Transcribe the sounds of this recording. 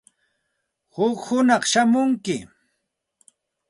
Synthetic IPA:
hʊkhʊnɑχʃamʊŋkɪ

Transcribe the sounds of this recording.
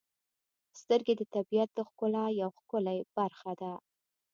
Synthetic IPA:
st̪əɾɡed̪ət̪abijat̪̚d̪əxkʊlajawxkʊlajb̥aɾxad̪a

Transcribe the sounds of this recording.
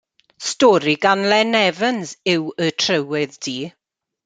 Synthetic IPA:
stɔɾiɡanlɛnɛvənzɪwətʰrəwɪðd̥iː

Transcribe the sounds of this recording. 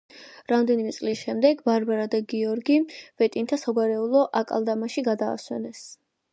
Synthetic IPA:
ɾamd̪ɛnimɛt̪sʼlisʃɛmd̪ɛɡbaɾbaɾad̪aɡiɔɾɡivɛt̪ʼint̪ʰasaɡaɾɛulˠɔʔakʼa̰lˠd̪amaʃiɡad̪a̰ːswɛ̰nɛs

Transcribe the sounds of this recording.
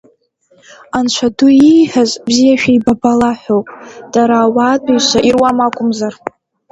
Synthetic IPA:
ant͡ʃʷʰadʰuijħazʼbzijaʃᶣaibabalaħʷowpʼd̥aɾaːwadʼujʃʷʰaʔirwamakʷʼʊmzar

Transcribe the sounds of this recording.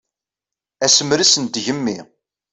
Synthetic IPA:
æsəmɾisənd̪ʝəmːi

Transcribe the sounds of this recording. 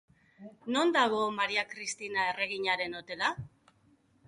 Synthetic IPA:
no̞nd̪aɣo̞maɾiakɾist̪inae̞re̞ɣ̞iɲaɾe̞no̞t̪e̞la

